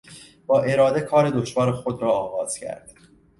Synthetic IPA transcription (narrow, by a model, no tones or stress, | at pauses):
b̥ɒːʔe̞ɾɒːd̪e̞kʰɒːɾe̞d̪oʃvɒːɾexod̪ɾɒːɣɒːz̥cʰæ̰ɾd̪̥